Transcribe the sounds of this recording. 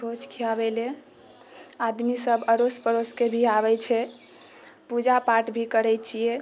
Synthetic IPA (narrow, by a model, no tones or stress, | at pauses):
ot͡ʃkʰiabɛle | ad̪misəbəɾospəɾoskebʱiaβɛt͡ʃʰɛ | pud͡ʒapaʈbʱikəɾɛjt͡ʃʰie